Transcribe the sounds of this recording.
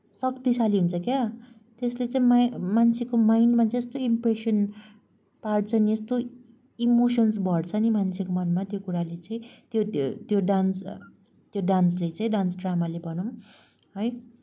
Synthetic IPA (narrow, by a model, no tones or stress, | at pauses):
sʌkt̪isaliɦunt͡sʰʌkja | t̪eslet͡saĩmamant͡sʰekomajnmat͡sʰẽest̪oimpresʌn | paɽt͡sʰʌniest̪o | imosʌnsbʱʌɽt͡sʰʌnimant͡sʰekomʌnmat̪jokuɾalet͡sʌĩt̪jot̪joɖans | t̪joɖanslet͡sʌ̃ĩɖansɖramalebʱʌnʌm | ɦʌj